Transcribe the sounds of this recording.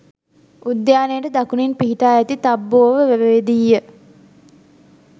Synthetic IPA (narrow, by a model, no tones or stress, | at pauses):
ud̪jaːnejəʈəd̪akuninpiɦiʈaːæt̪it̪abːoːʋəʋeʋəʋed̪ijːə